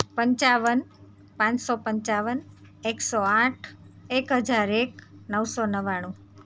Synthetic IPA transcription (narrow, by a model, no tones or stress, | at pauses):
pəɲt͡ʃaʋən | pãt͡ʃsɔpəɲt͡ʃaʋən | eksɔãʈʰekɦəd͡ʒaɾeknəwsɔnəʋaɽ̃ũ